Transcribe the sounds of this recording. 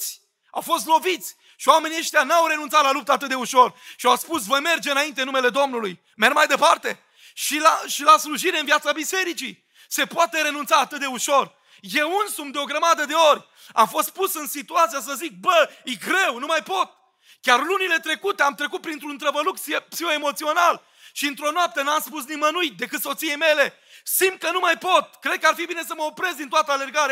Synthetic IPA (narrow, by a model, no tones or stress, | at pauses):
sʲ | a̰wfo̞st̪lo̞vit̪sʲ | ʃiwame̞nieʃt̪ʲjanawɾe̞nunt̪sat̪lalup̚t̪əat̪ɨt̪̚d̪euʃo̞rʃiawspus̬vo̞jme̞rd͡ʒeɨnaint̪eɨnume̞le̞d̪o̞mnuluj | mermajd̪e̞part̪e̞̰ | ʃilaʃilasluʒiɾeɨnvijat̪sabise̞ɾit͡ʃi | se̞poat̪e̞ɾe̞nunt̪saːt̪ɨt̪̚d̪e̞uʃo̞r | je̞wunsumd̪eo̞ɡɾəmad̪əd̪e̞o̞rʲ | a̰mfo̞st̪̚pusɨnsit̪uat̪sijas̬əzik̚bəiɡɾe̞wnumajpo̞t̪̚ | kʲarlunile̞t̪ɾe̞kut̪eamt̪ɾe̞kut̪̚pɾint̪ɾunt̪ɾəbəlukpsioemo̞t̪sio̞nal | ʃiɨnt̪ɾo̞noap̚t̪ənamspus̬nimənuit̪̚d̪e̞kɨt̪so̞t̪sije̞jme̞le̞ | simt̪̚kənumajpo̞t̪̚kɾe̞d̪̚kəarfibine̞s̬əməopɾe̞zd̪int̪oat̪əale̞rɡaɾe